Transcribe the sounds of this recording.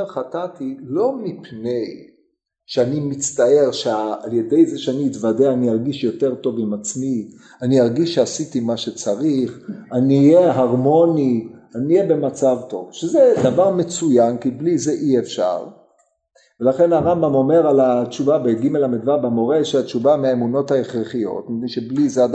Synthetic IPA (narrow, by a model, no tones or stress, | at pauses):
eχatatilo̞mipne̞j | ʃeanimit͡st̪ae̞ʁʃeaalje̞dejzeʃeaniːt̪vadeaniaʁɡiʃjo̞te̞ʁto̞vimat͡smi | aniaʁɡiʃeasit̪imaʃet͡saʁiχanijeɦaʁmo̞nianiːjebe̞mat͡savto̞vʃezed̪avaʁmet͡sujankiblizeʔiefʃa̰ʁ | velaχe̞naʁambamo̞me̞ʁalat͡ʃuvabeɡimelamidvabemoʁeʃiat͡ʃuvameaemuno̞thaeχʁeχijo̞̰tmid̪iʃeblizead